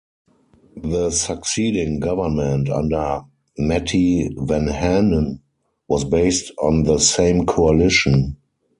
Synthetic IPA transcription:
ðəsəksiːdɪ̃ŋɡavə˞mɛ̃ntã̰ndə˞ | mɛtʰivɛ̃nhænə̃n | wɔsbeɪstɔ̃nðəsẽɪ̃mkʰoalɪʃə̃n

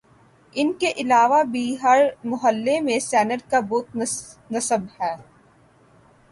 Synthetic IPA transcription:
ɪnkeʔɪlaːʋabʱiɦɐɾmʊɦəlːemẽsɛːnəɾkabɔːt̪̚ | nɐsəbhɛː

